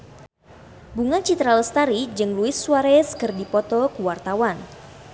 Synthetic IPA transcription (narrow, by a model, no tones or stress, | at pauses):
buŋat͡ʃit̪ɾaləst̪aɾid͡ʒɨŋluɪsːuaɾɛskɨrdipɔt̪ɔkuwart̪awan